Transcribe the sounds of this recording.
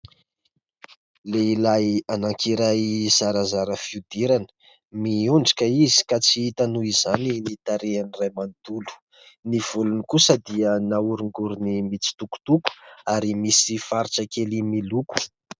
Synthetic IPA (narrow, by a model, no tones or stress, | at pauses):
leilajanaŋkʰiɾajz̥aɾazaɾəfiud̪iɾanə̥ | miuɳɖ͡ʐḁkəizi̥kat͡siit̪anuizaninit̪aɾeanirajmand̪ulu̥ | niv̥ulunikusəd̪iənauɾuŋɡuɾunimit͡si̥t̪uku̥t̪uku̥aɾimisifaɾiʈ͡ʂakelimiluku̥